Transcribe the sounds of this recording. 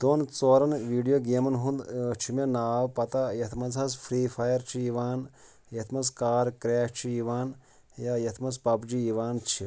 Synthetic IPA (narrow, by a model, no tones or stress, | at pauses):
d̪̥oːnt͡soːɾɐnʋiːɖijoɡemɐnɦũnd̪t͡ʃʰimenaːʋpɐt̪ɐjɐt̪ʰmɐnzɐsfɾiːfʰɐjɐɾt͡ʃʰiiʋaːn | jɐt̪ʰmɐskaːɾkɾeːʃt͡ʃʰiiʋaːn | jajɐt̪ʰmɐspɐbd͡ʒiiʋaːnt͡ʃʰi